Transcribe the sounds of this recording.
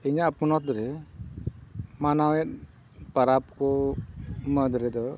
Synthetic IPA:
iɲaʔpunɔt̪̚ɾɛ | manawɛt̪̚ | pəɾap̚kɔ | məd̪ɾɛd̪ɔ

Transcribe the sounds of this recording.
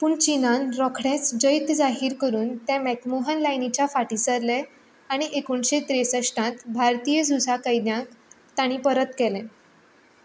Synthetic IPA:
puːɳt͡ɕinãnɾɔkʰɽẽt͡sd͡ʑəjt̪d͡zaɦiːɾkəɾuːnt̪jãmɛkmoɦənlajnit͡ɕjafaʈisəɾlɛ | aɽ̃iʔekuɳɕet̪ɾesəʂʈãt̪bʱaɾt̪ijəd͡zusakəjd̪jãk | t̪aɽ̃ĩpəɾət̪kɛlɛ̃

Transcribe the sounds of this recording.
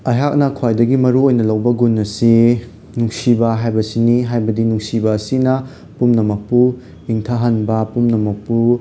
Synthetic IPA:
ɐɦak̚nɐkʰwajdɐɡimɐɾuojnɐlɐwbɐɡunːɐsi | nuŋsibɐɦajbɐsiniɦajbɐdinuŋsibɐːsinɐ | pumnɐmɐk̚pu | iŋtʰaɦɐnbɐpumnɐmɐk̚pu

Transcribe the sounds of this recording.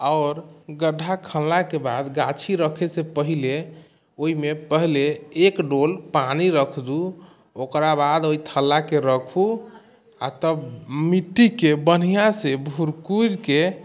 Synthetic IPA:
ɔʊɾɡəɖʱːakʰəllakebad̪ɡat͡ʃʰiɾəkʰesepəɦile | oimepəɦleːkɖolpaniɾəkʰd̪u | okɾabad̪oit̪ʰəlːakeɾəkʰu | a̰t̪əbmiʈːikebən̤ijasebʱuɾkuɾke

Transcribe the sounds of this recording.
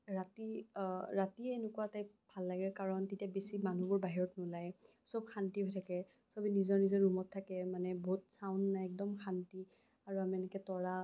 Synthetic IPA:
ɹatiɹatienʊkuataj | bʱalːaɡɛkaɹɔntetiabesimanubʊɹbaɦiɹɔtnʊlaj | sob̚xʰantiɦojtʰakɛ | sɔbinizɔɹnizɔɹumɔtʰːakɛmanɛbʱɔt̚saʊndnajɛk̚dɔmxʰanti | aɹuamiɛnɛkɛtɔɹa

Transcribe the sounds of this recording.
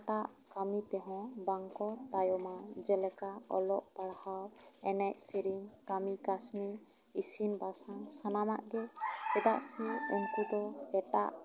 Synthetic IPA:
ʈaʔ | kamit̪ɛɦɔ̃baŋkɔt̪ajɔmad͡ʒɛlɛkaɔ̰lɔʔpaɽhawɛnɛʔsiɾiŋkamikasni | isinbasansanamaʔɡɛd͡ʒɛd̪aʔsɛuŋkud̪ɔɛʈa̰ʔ

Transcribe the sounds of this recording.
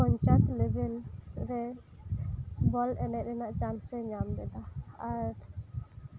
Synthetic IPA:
ɔɲt͡ʃat̪lɛbɛlɾɛ | bɔlɛnɛʔɾɛnaʔt͡ʃansɛɲamd̪ɛd̪aaɾ

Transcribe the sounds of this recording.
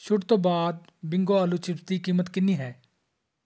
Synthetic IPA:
ʃʊɽt̪oːbaːd̪̚ | bɪ̃ŋɡoːəlut͡ʃɪɾt̪iːkiːmət̪kɪnːiːɦɛː

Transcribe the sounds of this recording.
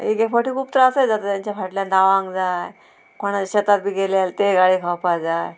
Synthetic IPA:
iɡefəʈiːkʰuːp̚t̪əɾəəsəjd͡zat̪ət̪jãɲt͡ɕafaʈljand̪aʋãŋɡd͡zaj | kʰoɽ̃aɕət̪at̪̚biːɡelelt̪eɡaɭiːkʰawpajd͡zaj

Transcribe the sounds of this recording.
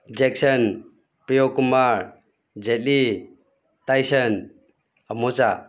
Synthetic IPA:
d͡ʒek̚sən | pɾijokumaɾ | d͡ʒet̚li | tajsən | amɔt͡ʃa

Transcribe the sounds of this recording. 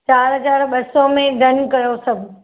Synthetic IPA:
t͡ʃaːɾɦəzaːɾɓəsomẽd̪ənkəjosəbʱ

